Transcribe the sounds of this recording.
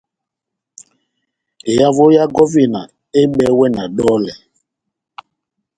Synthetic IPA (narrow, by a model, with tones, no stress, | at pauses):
e˨ja˦vʊ˦ja˦ɡɔ˦vi˨na˨ | e˦ɡ͡bɛ˨˦wɛ˦na˨dɔ˦lɛ˨